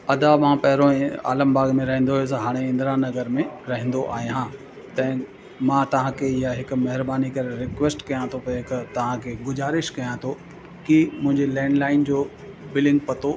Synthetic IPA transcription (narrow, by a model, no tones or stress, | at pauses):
ɐd̪amãːpɐɦɾoɛ̃a̰ːləmbaːɡmẽɾɐɦẽnd̪oɦes̬ɐɦaːɽ̃eɪ̃nd̪ɾãnɐɡəɾmẽɾɐɦɛ̃n̆d̪oʔaːɦiɦãː | t̪ɐ̃ɛ̃ | mãːt̪ɐʋ̤ãkʰeɪjaɦɪkʊ̆mɐɦɪɾbaːnikɐɾeɾɪkʋesʈkɐjãt̪ʰopɐɪkt̪ɐʋ̤ãkʰeɡʊzaːɾɪʃkɐjãt̪ʰo | kimʊ̃ɦɪ̃ɲd͡ʑelɛ̃ːɳɖlaːɪnd͡ʑoː | bɪlɖɪ̃ŋɡ̚pɐt̪o